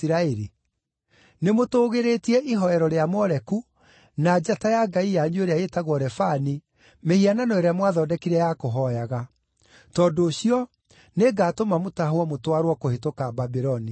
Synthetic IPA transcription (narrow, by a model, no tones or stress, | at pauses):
ɾaɛɾi | nemotoːɣeɾetiɛʔiɦɔɛɾɔɾeamɔɾɛku | nad͡ʑatajaɡaijaɲioɾeaetaɣwɔɾɛfani | mehiananɔɛɾamwaðɔːdɛkiɾɛjakoɦɔjaɣa | tɔːndoːɕiɔ | neɡaːtomamotaɦwɔmotwaɾwɔkohetokababiɾɔni